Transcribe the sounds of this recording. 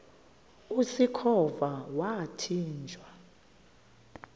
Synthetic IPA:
usikʰɔvawatʰiːnd͡ʒʱwa

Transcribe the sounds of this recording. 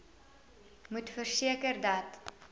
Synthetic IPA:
mutfərsiəkərdɐt

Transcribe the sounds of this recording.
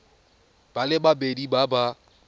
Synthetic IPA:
b̥alɪbabedibaba

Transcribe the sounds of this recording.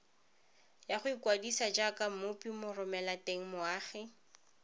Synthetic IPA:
jaχʊikwadisad͡ʒakamʊpimʊrʊmɛlateŋ̩mʊaːχɪ

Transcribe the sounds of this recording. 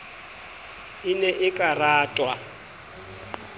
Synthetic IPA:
ɪnɛʔɪkʼaraːtʼwa

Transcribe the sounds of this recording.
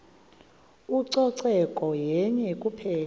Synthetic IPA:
uǀɔǀɛkʼɔjɛɲɛkʼupʰɛːl

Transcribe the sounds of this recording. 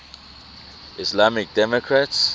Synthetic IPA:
islamik̚dɛmɔkʰɹats

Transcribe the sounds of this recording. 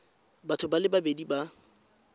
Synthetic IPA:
batʰʊbalɪbabediba

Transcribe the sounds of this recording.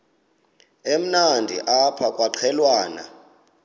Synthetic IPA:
em̩nandʱḭʔapʰakʼwaǃʰɛlwaːna̰

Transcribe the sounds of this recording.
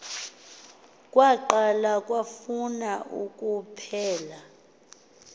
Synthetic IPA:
kʼwaǃalakʼwafunaʔukʼupʰɛːla

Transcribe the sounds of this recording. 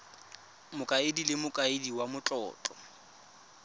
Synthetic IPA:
mʊkʼaɪdilɪmʊkʼaɪdiwamʊt͡ɬʼɔ̰ːt͡ɬʼɔ

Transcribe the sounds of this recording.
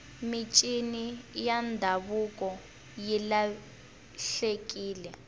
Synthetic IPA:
mit͡ʃʼinijandʱaβukʼɔ | jila | ɬekʼiːlɛ

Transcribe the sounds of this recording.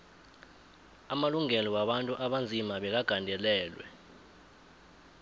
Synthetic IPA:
amaluŋɛlɔwaɓantʼuʔaɓand͡zʱimaɓɛk̬aɡ̥ʱandʱɛlɛːlwɛ̰

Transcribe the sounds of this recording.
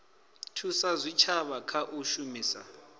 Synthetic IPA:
tʰusazʷit͡ʃʰaβakʰaʔuʃumiːsa̰

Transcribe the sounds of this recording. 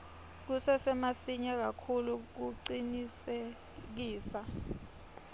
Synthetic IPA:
k̬usɛsɛmasiɲak̬akʰuluk̬uǀinise | k̬iːsa

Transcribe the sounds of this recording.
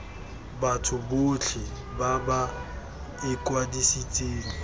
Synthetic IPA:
batʰʊbot͡ɬʰɪ | baba | ɪkʼwadisit͡sʼeːŋ̩

